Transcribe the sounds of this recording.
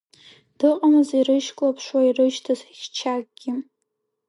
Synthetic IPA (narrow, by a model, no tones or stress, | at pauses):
d̥ɨqʼamɨziɾɨʃkʷʼlapʰʂwairɨʃtʰazʃʲt͡ʃʰak̚ʼɡʲɪ